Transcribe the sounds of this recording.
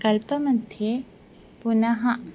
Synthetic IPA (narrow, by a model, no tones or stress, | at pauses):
kɐlpɐmɐ̃nt̪ʰje | punɐɦɐ